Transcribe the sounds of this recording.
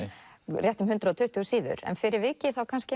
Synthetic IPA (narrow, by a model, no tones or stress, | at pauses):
rjɛht̪ʏmɦʏnt̪ɾaɔt̪ʰʏht̪ʏɣʏsiːðʏ̰ɾɛ̰nfɪɾɪɾvɪcɪθawkʰanscɪ